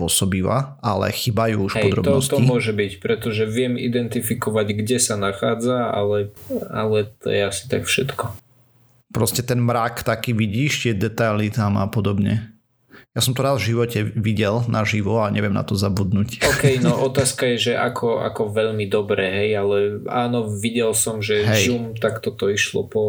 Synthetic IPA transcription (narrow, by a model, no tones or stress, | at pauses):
ʊɔsɔbiʋa̰ʔalɛ̰xibajuuʃɦɛɔd̪ɾɔ̰b̪ɔnɔst̪ɔimʊɔʒɛbicpɾɛt̪ɔʒɛʋɪɛmḭd̪ɛnt̪ifikɔʋaɟɡɟɛsanaxaːd͡zaa̰lɛa̰lɛt̪ɔ̰jɛasi̥t̪akfʃɛt̪kɔ | pɾɔscɛt̪ɛnmɾakt̪akiːʋiɟiːʃt̪ɪɛd̪ɛt̪ajlit̪amapɔd̪ɔbɲɛ̰ | jasɔmt̪ɔɾaːzvʒiʋɔcɛʋiɟɛlnʔaʒiʋɔaɲɛʋɪɛmna̰t̪ɔzabud̪nucɔːkɛjnɔʔɔt̪aːskajɛʒɛʔa̰kʰɔʔa̰kɔʋɛʎmid̪ɔbɾɛɦɛjalɛaːnɔʋiɟɛlsɔmʒɛɦɛjzumt̪akt̪ɔt̪ɔiʃlɔ̰pɔ